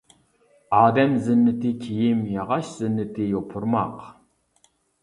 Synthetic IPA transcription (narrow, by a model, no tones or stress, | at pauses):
ɑːd̪ɛmzɨnːɨt̪ikʲʰijimjɑʁɑʃz̥ɨnːɨt̪ʰijopʰuɾmɑq